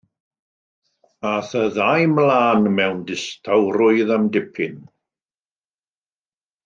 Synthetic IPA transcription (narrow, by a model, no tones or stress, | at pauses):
aθəðajmlaːnmɛwndɪstʰawɾʊɨðamdɪpʰɪn